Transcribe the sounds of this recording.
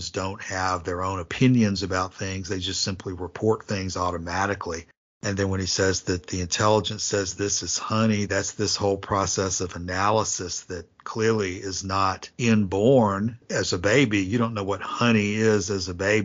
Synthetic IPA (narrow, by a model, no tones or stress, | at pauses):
zdõʊ̃nt̚hɨvðə˞õʊ̃nɨpʰɪ̃njɨ̃nzɨbaʊt̪̚θɪ̃ŋzðeɪd͡ʒʌstsɪ̃mpʰliɹɨpʰɔɹt̪̚θɪ̃ŋzɔɾɨmæɾɨkʰli | ɨ̃nðɨ̃nwə̃ñisɛzðɨt̪̚ðiɨ̃ntʰɛlˠəd͡ʒɨ̃nsɛzðɪsɨz̥hʌniðætsðɪshoʊlˠpʰɹ̥ɑsɛsʌvɨnælˠəsɨsðɨt̚kʰl̥ɪɹlˠiɪznəɾɪ̃nbɔɹnɨzɨbeɪbijɨɾõʊ̃nːoʊwʌt̚hʌɾ̃iɪzɨzɨbeɪ